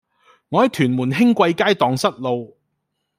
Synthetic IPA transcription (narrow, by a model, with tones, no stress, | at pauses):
ŋɔː˨˧hɐ˨jt̪ʰyː˨˩nmuː˨˩nɦɪ˥ŋkʷɐ˧jkaː˥jt̪ɔː˨˧ŋsɐ˥t̚lo˨˧w